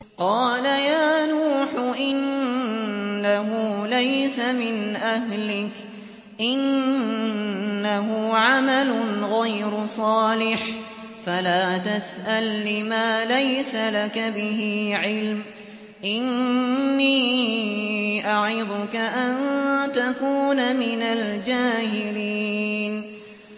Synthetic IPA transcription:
qɑːlajaːnuːħʊʔɪn | aɦʊlajsamɪnʔaɦlɪk | ʔɪn | aɦʊʕamalʊnɣajɾʊsˤɑːlɪħ | falaːt̪asʔalːɪmaːlajsalakabɪhɪʕɪlm | ʔɪnː | iː | ʔaʕɪd̪ˤʊkaʔant̪akuːnmɪnald͡ʒaːhɪliːn

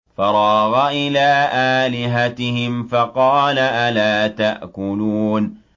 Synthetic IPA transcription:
fɑɾˤɑːɣaʔɪlaːʔaːlɪɦat̪ɪhɪmfɑqɑːlaʔalaːt̪aʔkʊluːn

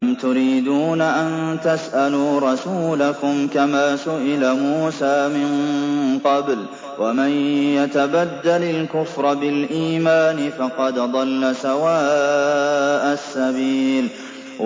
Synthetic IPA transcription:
mt̪ʊɾiːd̪uːnaʔant̪asʔaluːɾˤɑsuːlakʊmkamaːsʊʔɪlamuːsaːmɪnqɑbl | wamanjat̪abad̪ːalalkʊfɾˤɑbɪlʔiːmaːnɪfɑqɑd̪ðˤɑlːasawaː | ʔasːabiːl

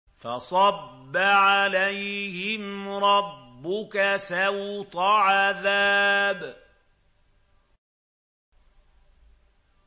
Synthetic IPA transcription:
fɑsˤɑbːaʕalajhɪmɾˤɑbbːʊkasawt̪aʕaðaːb

